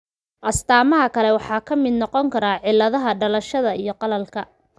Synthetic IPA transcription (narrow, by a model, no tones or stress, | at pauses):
ʔɐst̪ʰaːmɐɦɐkʰɐlɛwɑħɑːkʰɐmɪd̪nɔqɔŋkʰɐɾaːʕɪlːɐðɐɦɐɖɐlɐʃɐðɐijɞqɑlɐlkʰɐ